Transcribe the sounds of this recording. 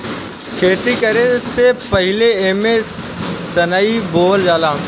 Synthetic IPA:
kʰeːt̪ikɐɾesepɐɦɪleeːmẽ | t̪ɐnaːiboːld͡ʒaːlãː

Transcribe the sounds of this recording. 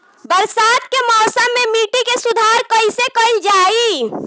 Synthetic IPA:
bəɾsat̪kemɔːsəmːemiʈikesud̪ʱaɾkəisekəɪld͡ʒai

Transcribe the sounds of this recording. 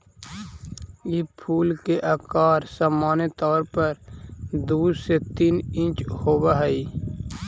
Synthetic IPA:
jɪpʰuːlkeʔakaːɾsaːmaːnet̪ɔːɾpəɾd̪uːset̪iːnɪ̃nt͡ʃhoːbaɦəiː

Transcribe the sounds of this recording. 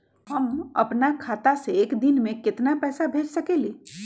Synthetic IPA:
ɦɐmɐ̰pnakʰaːt̪aseːkd̪ɪnmẽkɪt̪napɛːsabʱeːd͡ʒsɐkeːleː

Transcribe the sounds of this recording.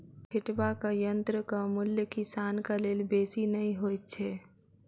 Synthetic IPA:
kʰɪʈbakajənt̪ɾəkamʊljəkɪsaːnkaleːlbeːsinəĩɦoːt̪̚t͡ʃʰɛː

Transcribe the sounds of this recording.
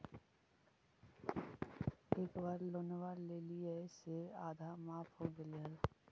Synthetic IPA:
eːkbaːɾloːneʋaɾleːlieseaːd̪ʱamaːpʰɦoɡeleɦəla

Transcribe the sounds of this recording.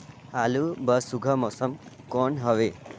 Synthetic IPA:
alubəsuɡʱəmɔsəmkɔɳɦəʋe

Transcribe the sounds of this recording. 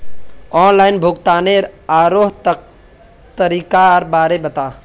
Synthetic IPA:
ɔːnlaːɪnbʱuɡt̪aːneɾaːɾoɦt̪ | t̪əɾikaɾbaːɾebət̪aː

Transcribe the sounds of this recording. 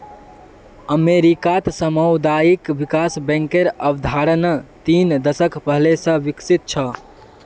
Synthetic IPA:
əmeɾikat̪səməwd̪ajikʋikasbɛ̃ŋkeɾəbd̪ʱaɾənt̪ind̪əsəkpəɦlesə̃ʋiksit̪̚t͡ʃʰə

